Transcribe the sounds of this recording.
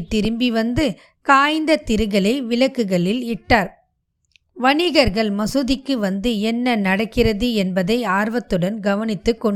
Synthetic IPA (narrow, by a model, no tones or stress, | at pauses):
t̪ːɪɾɯmbiʋɐnd̪ɯ | kaːjnd̪ɐt̪ɪɾɯɣɐɭɐɪʋɪlɐkːɯɣɐɭɪlɪʈːaːɾ | ʋɐɳɪɣɐɾɣɐɭmɐsɯðɪkːɯʋɐnd̪ɯɛnːɐnɐɽɐkːɪrɐðɯɛnbɐðɐɪaːɾʋɐt̪ːɯɽɐnɡɐʋɐnɪt̪ːɯkːɔɳ